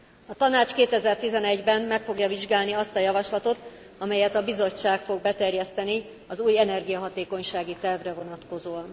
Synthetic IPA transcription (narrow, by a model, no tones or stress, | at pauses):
ɒt̪ɒnaːt͡ʃkeːt̪ɛzɛrt̪izɛnɛɟbɛmmɛkfo̞ɡjɒviʒɡaːlniɒst̪ɒjɒvɒʃlɒt̪o̞t̪ | ɒmɛjɛt̪ɒbizo̞t͡ʃːaːkfo̞ɡ̚bɛt̪ɛrjɛst̪ɛni | ɒzuːjɛnɛrɡijɒɦɒt̪eːko̞ɲʃaːɡit̪ɛrvrɛvo̞nɒt̪ko̞zoːɒn